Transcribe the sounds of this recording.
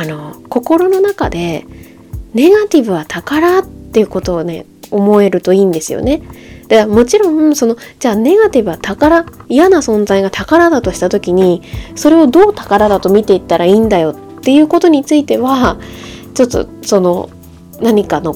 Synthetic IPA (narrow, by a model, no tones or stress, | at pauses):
ano̞ko̞ko̞ɾo̞no̞naka̰d̪e̞ | ne̞ɡat̪ʲibɯ̟βat̪ʰakaɾat̪ːejɯ̟ko̞t̪o̞ːne̞ | o̞mo̞e̞ɾɯ̟t̪o̞iːnd̪e̞sɨjo̰ne̞d̪̥aɡamo̞t͡ɕiɾõ̞ŋso̞no̞d͡ʑaːne̞ɡat̪ʲibɯ̟βat̪akaɾaijanasõ̞nd͡zaiɡat̪ʰakaɾad̪at̪o̞ɕi̥t̪at̪o̞kʲiɲ̟iso̞ɾe̞o̞d̪o̞ːt̪ḁkaɾad̪at̪o̞mʲit̪e̞it̪ːaɾaiːnd̪ajo̞t̪ːe̞jɯ̟ːko̞t̪o̞ɲ̟it͡sɨit̪e̞βa | t͡ɕo̞t̪ːo̞̰so̞no̞ | naɲ̟ikano̞